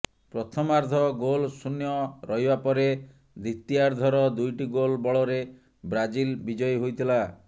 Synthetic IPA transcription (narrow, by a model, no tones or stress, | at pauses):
pɾɔt̪ʰɔmaɾd̪ʱɔɡolsunjɔɾɔɦibapɔɾe | d̪ʱit̪ːiaɾd̪ʱɔɾɔd̪ujʈiɡolbɔɭɔɾe | bɾad͡ʒilbid͡ʒɔjɦojt̪ʰila